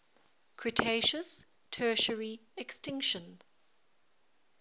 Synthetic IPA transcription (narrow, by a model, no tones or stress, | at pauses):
kʰɹitʰeɪʃəs | tʰɜːʃəɹi | ɛkstɪ̃ŋkʃə̃n